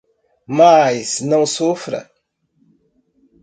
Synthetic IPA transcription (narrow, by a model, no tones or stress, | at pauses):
majsnɐ̃w̃sufɾɐ̰